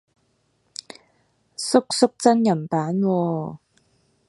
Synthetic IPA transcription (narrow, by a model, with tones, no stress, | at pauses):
sʊ˥k̚sʊ˥k̚t͡sɐ˥njɐ˨˩mpaː˨˦nwɔː˧